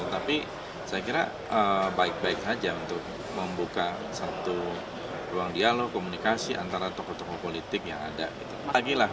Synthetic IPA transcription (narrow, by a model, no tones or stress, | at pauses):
ət̪api | sajakiɾa̰ | əbaɪk̚baɪk̚sad͡ʒaunt̪ʊk̚ | məmbuka | sat̪u | ruaŋdialokomunikasiʔa̰nt̪aɾat̪okɔt̪okopolit̪ɪkja̰ŋa̰da̰ɡit̪uaɡilah